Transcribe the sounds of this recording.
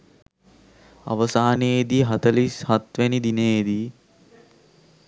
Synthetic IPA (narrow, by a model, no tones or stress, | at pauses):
a̰ʋəsaːned̪iɦat̪əlishat̪ʋænid̪inejed̪i